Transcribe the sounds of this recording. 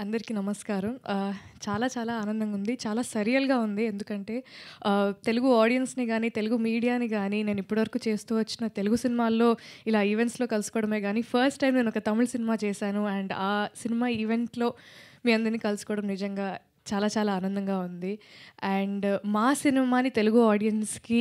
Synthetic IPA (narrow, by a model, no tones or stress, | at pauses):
ɐnd̪ɐɾikinɐmɐskaːɾɐmt͡ʃaːlaːt͡ʃaːlaːaːnɐnd̪ɐmund̪it͡ʃaːlaːsɐɾijɐlɡaːund̪ie̞nd̪ukɐɳʈe̞ː | t̪e̞luɡuaːɽijɐnsniɡaːnit̪e̞luɡumiːɽijaːniɡaːnine̞ːnuipːuɽiʋɐɾɐkuːt͡ʃe̞ːst̪uːʋɐt͡ʃːinɐt̪e̞luɡusinimaːlːo̞ːilaːiʋe̞ɳʈslo̞ːkɐlusu̥kɔːɽɐme̞ːɡaːnipʰɐɾsʈːɐjmne̞ːnɔkɐt̪ɐmuɭsinimaːt͡ʃɛːʃaːnuɛɳɖaːsinimaːiʋe̞ɳʈlo̞ːmiːɐnd̪ɐɾniːkɐlusu̥kɔːɽɐmnid͡ʒɐŋɡaː | t͡ʃaːlaːt͡ʃaːlaːaːnɐnd̪ɐŋɡaːund̪iɛɳɖmaːsinimaːnit̪e̞luɡuaːɽijɐnski